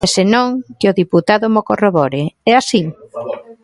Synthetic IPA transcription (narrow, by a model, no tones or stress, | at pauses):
ɛsenõŋkɪʊðiput̪aðʊmokoroβɔɾɪɛasi